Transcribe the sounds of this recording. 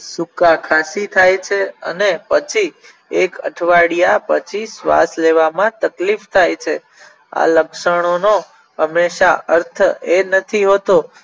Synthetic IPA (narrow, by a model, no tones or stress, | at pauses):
sukakʰasit̪ʰajt͡ʃʰeə̰nepət͡ʃʰi | ekə̰ʈʰʋaɽijapət͡ʃʰisʋa̰sleʋamãt̪əklift̪ʰajt͡ʃʰe | a̰ləkʃəɽ̃ono | ɦəmːeʃaəɾt̪ʰəenət̪ʰiɦot̪o